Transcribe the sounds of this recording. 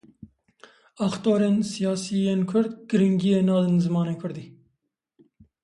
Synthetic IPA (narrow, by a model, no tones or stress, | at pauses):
ɑxt̪oːɾeːnsijɑːsijenkʰʊɾd̪ɡ̥ɨɾiŋɡijenɑːlɨnzɨmɑːnekʰʊɾd̪i